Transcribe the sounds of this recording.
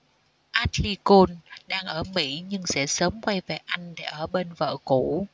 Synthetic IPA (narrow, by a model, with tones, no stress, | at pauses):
ʔaː˦˥t̚li˧ko˧nɗaː˧ŋʔəː˧˩mḭ˧˥ɲɨ˧ŋsɛ̰˧˥səː˨˦mkwa˧jve˨˩ʔa˧jŋ̟ɗe˧˩ʔəː˧˩ɓe˧nvə̰ː˧˨ku˧˩˨